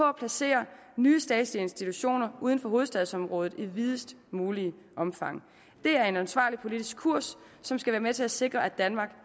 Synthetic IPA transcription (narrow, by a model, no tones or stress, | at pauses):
pɒ̽æpʰlæse̝̰ːɐnyːəsd̥ɛ̰ːd̥slie̝nsd̥it͡sʰuɕo̝̰ːnɐʔuːðˠən̩fɒ̽ɦo̝ːð̞̩ˠsd̥ɛðˠsɒ̽mʁɔ̽ːð̞̩ˠiʋið̞ˠəsd̥muːli | ʔɒ̽mfɑ̈ŋ̰ | d̥e̝æɐe̝nænsʋɑ̰̈ːlipʰo̝lid̥isɡ̥̚kʰuɐ̰sː | ɒ̽msɡ̥æʋæːɐmet͡sʰe̝læse̝ɡ̥ʁɐʔæd̥ænmɑ̈ɡ̥